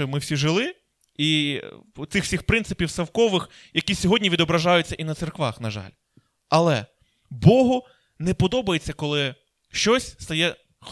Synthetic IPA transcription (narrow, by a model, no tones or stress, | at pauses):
ɪmɪwsʲiʒɪlˠɪ | i | t̪sɪxsʲixpɾɪnsɪpʲiwsɐwkɔʋɪx | jɐkʲisʲɔɦɔdʲnʲiʋʲid̪ɔbɾɐʒɑjʊt͡sʲːɐʔinɐt̪serkʋɑ̰xnɐʒɑ̰lʲ | ɐlˠɛ | bɔɦʊ | nɛpɔd̪ɔbɐjet͡sʲːɐkɔlˠɪ | ʃt͡ʃɔsʲst̪ɐjɛ